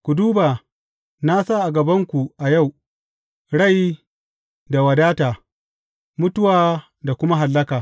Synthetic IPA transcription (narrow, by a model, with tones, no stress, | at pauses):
kʷu˨duː˦baː˨ | na˦sa˦ʔa˨ɡɐ˨bɐ˦ŋkʷu˨ʔa˨ja˦˨w | ɽa˦˨j | da˨wɐ˨daː˦taː˨ | mʊ˦tʊ˦waː˨ | da˨kʷʊ˦ma˦ɦa˨lːɐ˦kaː˨